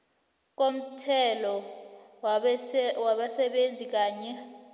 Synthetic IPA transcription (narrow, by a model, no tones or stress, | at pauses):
k̬ʼom̩tʰɛlɔ | waɓasɛɓend͡zʱik̬ʼaːɲɛ